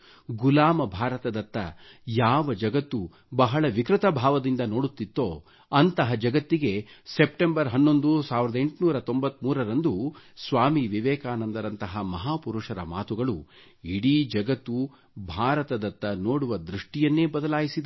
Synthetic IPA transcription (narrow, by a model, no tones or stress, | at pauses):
ɡulaːmɐbʱaːɾɐt̪ɐd̪ɐt̪ːɐ̰ | jaːʋɐd͡ʒɐɡɐt̪ːu | bɐɦɐɭɐʋikɾit̪ɐbʱaːʋɐd̪ind̪ɐno̞ːɽut̪ːit̪ːoː | ɐnt̪ɐɦɐd͡ʒɐɡɐt̪ːiɡe̞sep̚ʈembɐɾɦɐnːo̞nd̪usaːʋiɾɐd̪ɐeɳʈnuːɾɐt̪o̞mbɐt̪ːmuːɾɐɾɐnd̪usʋaːmiʋiʋɛːkaːnɐnd̪ɐɾɐnt̪ɐɦɐmɐɦaːpuɾuʂɐɾɐ̰maːt̪uɡɐɭu | iɽid͡ʒɐɡɐt̪ːu | bʱaːɾɐt̪ɐd̪ɐt̪ːɐnoːɽuʋɐd̪ɾuʂʈijɐnːeːbɐd̪ɐlaːjisid̪ɐ